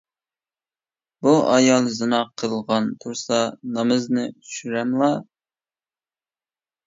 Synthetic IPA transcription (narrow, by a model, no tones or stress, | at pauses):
buʔɑjɑlˠzɨnɑqʰəlˠʁɑnt̪ʰuɾsɑnɑmɨznɨyʃyɾɛmlˠɑ